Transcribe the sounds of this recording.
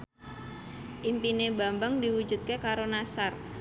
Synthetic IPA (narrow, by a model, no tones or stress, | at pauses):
ʔimpineba̤mbəŋdiwu̥d͡ʒṳt̪̚kekaɾonasar